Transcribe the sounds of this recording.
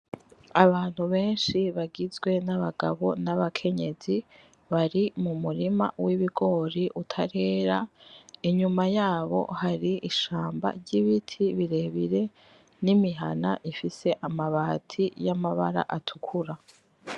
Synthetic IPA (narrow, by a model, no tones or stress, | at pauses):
aβaːn̥huβe̞ːnʃiβaɡizɡwe̞naβaɡa̰βo̞naβakʰe̞ɲe̞zi | βaɾimumuɾima̰wiβiɡo̞ːɾiʔutʰaɾe̞ːɾaiɲumajaːβo̞̰haɾiʔiʃaːmba̰ɾɟiβitʰiβiɾe̞βiɾe̞ | nimiɦanaʔifise̞ʔamaβaːtʰijamaβa̰ɾa̰ʔatʰukʰuɾa